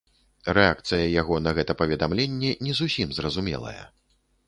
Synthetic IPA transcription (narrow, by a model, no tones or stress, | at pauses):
rɛak̚t̪sɨjɐjaɣɔnɐɣɛt̪ɐpɐvʲɛd̪amlʲenʲːɛnʲɛzusʲimzrɐzumʲɛ̰lˠɐ̰jɐ̰